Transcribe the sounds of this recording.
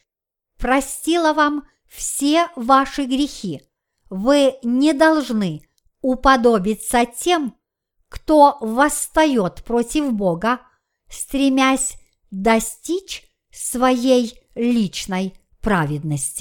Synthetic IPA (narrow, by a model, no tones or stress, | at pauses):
pɾɐsʲtʲilˠəvam | fsʲevaʂɨɡɾʲɪxʲi | vɨnʲɪd̪ɐlˠʐnɨ | ʊpɐd̪o̞bʲɪt̪sətʲe̞m | kt̪ovəst̪ɐjo̞t̪pɾotʲɪvboɡə | st̪ɾʲɪmʲæsʲ | d̪ɐsʲtʲit͡ɕ | svɐjejlʲit͡ɕnəj | pɾavʲɪd̪nəsʲtʲɪ̥